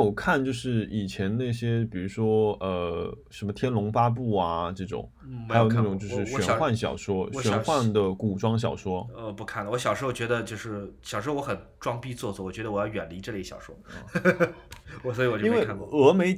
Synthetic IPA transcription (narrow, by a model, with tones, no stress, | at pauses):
o˨˩ʊkʰa˥˧nt͡ɕjo˥˧ʊʂɻ̩˥˩i˨˩t͡ɕʰjɛ˧˥nna˥˩ɕjɛ˥pi˨˩ɻu˧˥ʂwɔ˥ə˧ʂə˧˥nmə˧t̪ʰjɛ˥nlʊ˧˥ŋfa˥p̬u˥˩ɐ˩ʈ͡ʂɤ˥˩ʈ͡ʂʊ̰˨˩˦ŋ | xa˧˥ɪjo˨˩n˥˩ʈ͡ʂʊ˨˩ŋt͡ɕjo˥˧ʊʂɻ̩˥˩ɕɥɛ˧˥˨xwa˥˩nɕjɑ̰˨˩ʊʂwɔ˥ɕɥɛ˧˥nxwa˥˩nd̪ə˩ku˨˩ʈ͡ʂwɑ˥ŋɕ̬jɑ˨˩ʊʂwɔ˥ə˧pu˧˥kʰa˥˩nwɔ˧˥ɕjɑ˨˩ʂɻ̩˥˧˩t͡ɕɥɛ˧˥d̪ə˧t͡ɕjo˥˧ʊʂɻ̩˥˩ɕjɑ˨˩ʂwɔ˥wɔ˧˥xə˨˩nʈ͡ʂwɑ˥ŋpi˥t͡swɔ˥˧swɔ˥˩wɔ˨˩t͡ɕɥɛ˧˥d̪ə˧wɔ˨˩jɑ˥˩ʊɥɛ˨˩nli˧˥ʈ͡ʂɤ˥˧lɕjɑ̰˨˩ʊʂwɔ̰˥˧˩ | wɔ˨˩swɔ˧˥i˧˥wɔ˨t͡ɕo˥n˩˥wʰɤ˧˥me˧˥ɪ